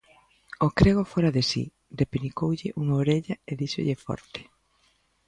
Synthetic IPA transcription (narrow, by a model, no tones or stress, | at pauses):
okɾeɣofoɾaðesḭ | depinikowʎɪʔuŋaoɾeʎɐeðiʃo̰ʎefɔ̰ɾt̪e̥